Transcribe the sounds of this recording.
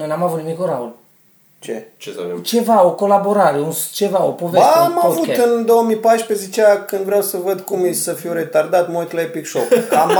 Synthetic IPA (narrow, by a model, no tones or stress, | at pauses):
ojnamavut̪nimikoɾaul | t͡ʃḛt͡ʃet͡ʃe̞vaoko̞laboɾaɾeunst͡ʃe̞vaopoveaamavut̪ɨnd̪o̞wəmijpajʃpezet͡ʃeakɨnd̪vɾeawsəvəd̪kumisəfiwɾe̞t̪ard̪at̪mot̪laepikʃokkam